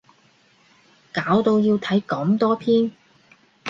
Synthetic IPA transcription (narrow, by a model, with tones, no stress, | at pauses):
kaː˨˥wt̪o˧wjiː˧wt̪ʰɐ˨˥jkɐ˨˥mt̪ɔː˥pʰiː˥n